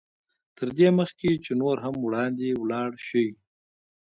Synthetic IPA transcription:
t̪ʰəɾd̪eməxket͡ʃenoɾɦamwɽɑnd̪ewlɑːɽʃəwi

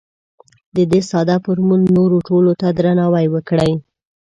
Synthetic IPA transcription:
d̪əd̪esɑd̪apəɾmunːoɾoʈolot̪ad̪ɾanɑwajwəkɽəj

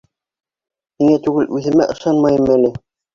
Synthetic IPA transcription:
hiŋæt̪ʉɡɘlʔʉðɘ̆mæʔɤ̆ʃɑnmɑjɤmælɘ

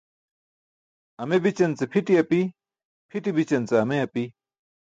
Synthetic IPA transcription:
ɐmebit͡ɕɐnt͡sepʰiʈiɐpi | pʰiʈibit͡ɕɐnt͡seɐmeɐpi

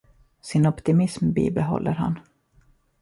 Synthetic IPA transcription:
sɪnɔpt̪ɪmɪsmbḭːbɛɦɔ̰lːəɾɦa̰n

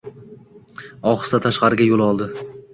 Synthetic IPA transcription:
ɒχɨ̥st̪at̪ʰaʃqɑɾɪɡʲajolˠɒlˠd̪ɪ

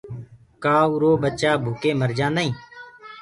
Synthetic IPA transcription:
kaːuːɾoːɓətːt͡ʃaːbʱuːkeːməɾd͡ʒãːnd̪aĩː

